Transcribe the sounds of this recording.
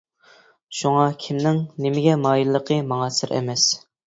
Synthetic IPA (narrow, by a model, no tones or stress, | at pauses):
ʃuŋɑkʲʰimnɪŋnɪmɪɡʲɛmɑːjilˠlːˠəqʰəmɑŋɑsɪɾʔɛ̰mɛs